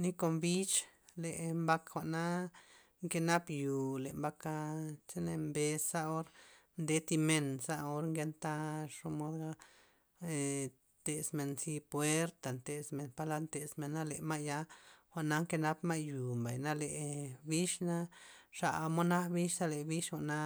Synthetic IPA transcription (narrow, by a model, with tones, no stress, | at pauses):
ni˦ko˧mbi˦t͡ʃle˨ʔmba˧kxʷa˨ʔna˦ | ŋke˧na˦pju˨le˨mba˧ka˧t͡ʃe˦ne˧mbe˧sa˦o˦ɾ | nd̪e˧˦t̪i˧me˧nsa˦o˧˦ɾŋɡe˧nt̪a˦ʂo˦mo˧d̪ɡa˦ | e˨ | t̪e˨sme˧nsi˧pwe˦ɾt̪a˨nt̪e˨sme˨npa˧la˦nt̪e˨sme˨nːa˦le˨ma˦ja˧xʷa˨ʔna˦ŋke˧na˦pma˦jju˨mba˨jna˦le˨ʔbi˦ʃna˦ʂa̰˨˧mo˦na˦bi˦ʃsa˦le˨bi˦ʃxʷa˨ʔna˧˦